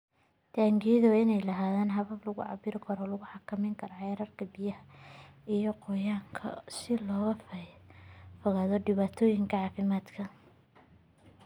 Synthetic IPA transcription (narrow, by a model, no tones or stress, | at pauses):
t̪ʰaːŋɡɪðɔɪnɛjlɐɦaːðaːnɦɐβɐblɐɣʊ̰ʕɑ̰bɪɾɪkʰɐɾɔlɐɣʊħɑkʰɐmɛjŋkʰɐɾɔʕɛɾɐrkʰɐbijɐhɐijɞqɔjaːŋkʰɐ̰sɪlɔːɣɐf | fɔɣaːðɔɖɪβaːt̪ʰɔːjɪŋkʰɐʕɑːfɪmaːd̪kʰɐ